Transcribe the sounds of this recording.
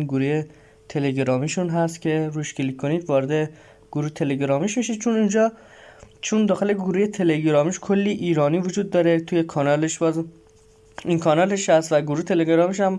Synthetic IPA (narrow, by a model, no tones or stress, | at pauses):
ɡuɾuːje̞ | t̪ʰe̞leɡɾɒːmiʃunɦæst̪cʲʰe̞ɾuʃkʰilikkʰːoniːd̪vɒːɾed̪e | ɡ̥uɾuːht̪ʰe̞leɟɾɒːmiʃmiʃid̪̚t͡ʃʰunind͡ʒɒː | t͡ʃʰund̪ɒːxe̞leɡuɾuːje̞t̪ʰe̞le̞ɟɾɒːmiʃkʰolːiʔiːɾɒːniːvod͡ʒuːd̪̚ːɒːɾe̞t̪ʰujekʰɒːnɒːleʃbɒːz | inkʰɒnɒːleʃhæst̪væɡuɾuːt̪ʰe̞leɡɾɒːmiʃ̬æm